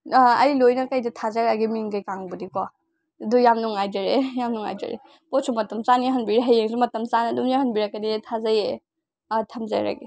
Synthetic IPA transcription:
ɐjlojnɐkajdɐtʰazaɾaɡimiŋkajkaŋbudikwa | dujamnuŋajd͡ʒaɾejamnuŋa̰jd͡ʒɐ̰ɾḛ | pɔsʰumɐtɐmt͡ʃaniɦɐnbiɾeɦajeŋsumɐtɐmsanɐdumiahɐnbiɾɐkːɐnitʰazaje | tʰɐmza̰jɾa̰ɡi

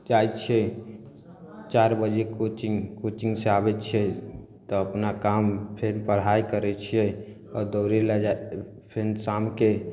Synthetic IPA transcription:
d͡ʒajt͡ʃʰɛ | t͡ʃaɾbəd͡ʒekot͡ʃiŋkot͡ʃiŋɡseabɛt͡ʃʰɛ | t̪ɔəpnakampʰenpəɽ̤ajkəɾɛt͡ʃʰijɛ | ɔɾd̪ɔɾelad͡ʒa | pʰensamke

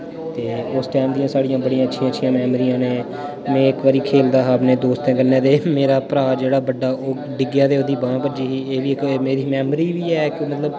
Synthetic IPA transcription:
t̪eːʊsʈɛːmd̪ijãːsaːɽijãːbəɽijãːətːʃʰijãːətːʃʰijãːmɛːmɾijãːneː | mɛ̃ːɪkʋaːɾiːkʰeːld̪aːɦaːpneːd̪oːst̪ɛ̃ːɡənːɛ̃ːd̪eːmeːɾaːpəɾaːd͡ʒeːɽaːbəɖːaːʔoː | ɖɪɡjãːd̪eːoːd̪iːbãːpəd͡ʒiːɦiːeːʋiːɪkmeːɾiːmɛːmɾiːʋiːɛːkɪmət̪ləb

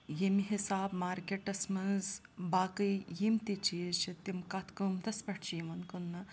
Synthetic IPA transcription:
jemiɦisaːbmaːɾkeʈɐsmɐnz | baːkɨjjimt̪it͡ʃiʃɐt̪ːimkɐt̪ʰkumt̪ɐspɐʈʰt͡ʃiːmɐnkunːɐ

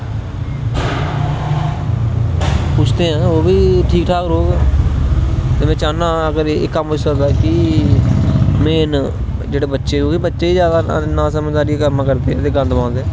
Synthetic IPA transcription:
pʊt͡ʃʰt̪eːɦãːoːbiːʈʰiːk̚ʈʰaːkɾoːɡɛː | t̪eːmɛ̃ːt͡ʃaːnãːəɡəɾeːkːəmɦosəkd̪aːkɪ | mẽːn | d͡ʒeːɽeːbətːʃeːoːkibətːʃeːiːzjaːd̪anãːsəmːd̪aːɾikəɾmãːkəɾt̪eɛt̪eːɡə̃nd̪ãːnd̪ɛː

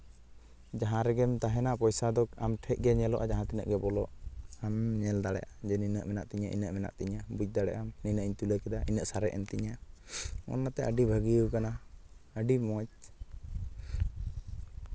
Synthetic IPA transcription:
d͡ʒaɦãɾɛɡɛmt̪aɦɛnaʔpɔjsad̪ɔkamʈʰɛc̚ɡɛɲɛlɔʔad͡ʒaɦãt̪inə̰ʔɡɛbɔlɔʔamɲɛld̪aɽɛ̰ʔad͡ʒɛninəʔmɛna̰ʔt̪iɲaʔḭnəʔmɛna̰ʔt̪iɲabuc̚ˀd̪aɽɛ̰ʔamninəʔiɲt̪uləkɛd̪aʔinəʔsaɾɛ̰ʔɛnt̪iɲa | ɔ̰nːat̪ɛʔəɖibʱəɡiəwkana | əɖimɔt͡ʃ̚

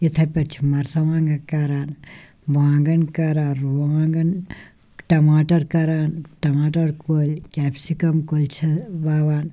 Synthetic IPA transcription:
it̪ʰɐpʲɐɾt͡ʃʰi̥mɐɾsɐʋãːŋɡɐkɐɾaːn | baːŋɡɐnkɐɾaːnɾuaːŋɡɐn | ʈɐmaːʈɐɾkɐɾaːnʈɐmaːʈɐɾkolkɛːpsikɐmkolt͡ʃʰɐbaːʋaːn

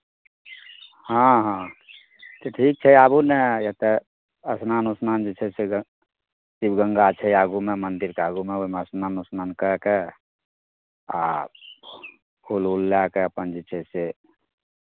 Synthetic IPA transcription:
hãɦã | t̪eʈʰik̚t͡ʃʰɛabunɛjet̪e | əsnanusnand͡ʒit͡ʃʰɛse | sibɡəŋɡat͡ʃʰɛjaɡumemənd̪iɾkeaːɡumeomeəsnanusnankəɦke | a̰ | pʰululːjakeəpənd͡ʒit͡ʃʰɛse

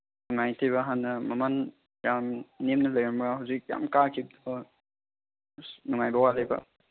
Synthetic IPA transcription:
nuŋajtʰijbaɦanːɐmaman | ɾamnemnɐlɐjɾamɡahawzik̚ja̰mkakʰib̚d̪ɔ | nuŋajbawalejba̰

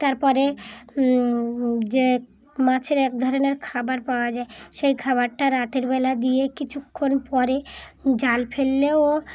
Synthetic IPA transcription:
t̪aɾpɔɾe | d͡ʑe | mãt͡ɕʰeɾɛk̚d̪ʱɔɾoneɾkʰabaɾpaoad͡ʑaeʃejkʰaβaɾʈaɾat̪eɾbelad̪ijekit͡ɕʰukʰːonpɔɾed͡ʑalfʰelːeo

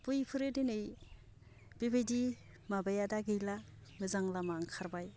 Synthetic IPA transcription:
pujpʰɯɾedenɯj | b̥ibejdi | mabajadaɡɯjlamɯzaŋlamaŋkʰaɾbaj

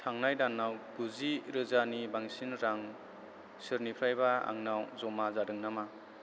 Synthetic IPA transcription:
tʰaŋnajdanːawɡuziɾɯzanibaŋsinɾaŋ | sɯɾnipʰɾajbaa̰ŋnawzɔmazadɯŋnama

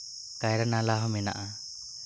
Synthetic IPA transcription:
kajɾanalaɦɔmɛna̰ʔa

